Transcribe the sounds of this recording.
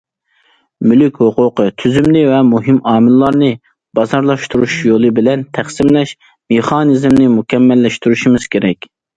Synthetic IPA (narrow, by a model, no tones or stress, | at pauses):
mylykʲhoqʰʊqət̪ʰyzymnɪvɛmuɦimɑːmɨllˠɑɾnɨ | b̥ɑzɑɾlˠɑʃt̪uɾuʃjolˠɨbɪlɛnt̪ʰæχsɪmlɛʃ | meχɑnizmnɪmukʲʰɛmːɛlːɛʃt̪yɾuʃimɪz̥kʲʰeɾɛkʲ